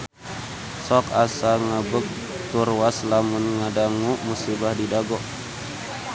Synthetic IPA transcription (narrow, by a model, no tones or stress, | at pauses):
sɔkasaŋəbək̚ | t̪urwaslamʊnŋadaŋumusibahdidaɡɔʔ